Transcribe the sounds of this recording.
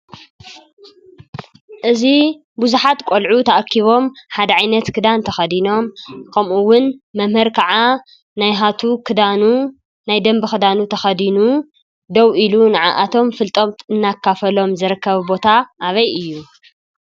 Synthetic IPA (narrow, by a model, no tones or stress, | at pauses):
ʔɨzi | buzuħat̪kʷʼolʕut̪ʰɐʔakʰːiβo̞mħad̪ɐʕajnɐt̪kʰɨd̪ant̪ʰɐxɐd̪ino̞mkʰɐmʔuwʊnmɐmhɨɾkʰɐʕa | najɦat̪ʰukʰɨd̪anu | najd̪ɐmbɨxɨd̪anut̪ʰɐxɐd̪inu | d̪ɐwʔilunaʕa̰ʔat̪ʰo̞mfɨlt̪ʼomt̪ɨnːakʰːafɐlo̞mzɨɾɨkːɐβbo̞t̪ʰaʔːβɐjʔɨjːu